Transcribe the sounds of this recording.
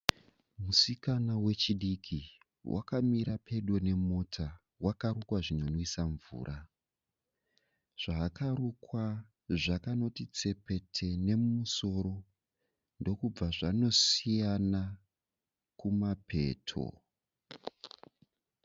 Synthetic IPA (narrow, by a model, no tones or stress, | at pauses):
musikanawe̞t͡ʃiɗikʰi | wʔa̰kamiɾapʰe̞ɗwone̞mo̞tʰa | wakaɾukwaʐino̞nwisaɱvṵːɾʔa | ʐ̥aːkaɾukwa | ʐakano̞tit͡se̞pe̞tʰe̞ne̞mmuso̞ɾo̞ | ndo̞kub͡vaʐano̞sijana | kumapʰe̞̰ːtʰo̰